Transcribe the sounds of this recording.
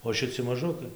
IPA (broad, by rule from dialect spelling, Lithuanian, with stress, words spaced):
oː ʃʲɪˈt͡sʲɪ mɐˈʒʊkɐɪ